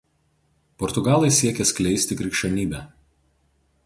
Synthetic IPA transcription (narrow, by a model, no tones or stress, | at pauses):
pɔɾt̪ʊɡɑːlˠɐɪsʲiɛkʲɛsʲklʲɛɪsʲt̪ʲɪkɾʲɪkʃʲɛnʲiːbʲɛæ